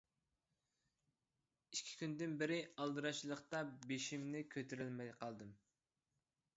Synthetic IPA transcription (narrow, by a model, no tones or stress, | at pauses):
iʃkʲʰi̥kʲʰynd̪ɪnbɪɾɪɑlˠd̪ɨɾɑʃlˠəχqt̪ɑbeʃimnɪkʲʰøt̪ʰyɾylmɛqʰɑlˠd̪ɨm